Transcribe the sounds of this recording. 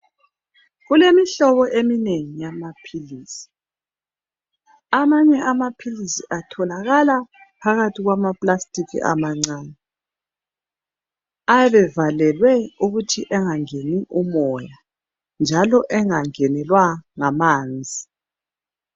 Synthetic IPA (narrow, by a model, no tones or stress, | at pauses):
ɣulemiɬɔβɔʔemineŋijamapʰiliːsi̥ | amaɲɛamapʰilisiʔatʰɔlaɣala | pʰaɣatʰiɣwamapʼlastʼikʰḭʔa̰maŋ͡ǀaːnɛ | ajɛβɛvalɛlwɛuɣutʰiʔɛŋaŋeniʔumɔja | nd͡ʒʱalɔʔɛŋaŋɛnɛlwaŋamaːnd͡zʱi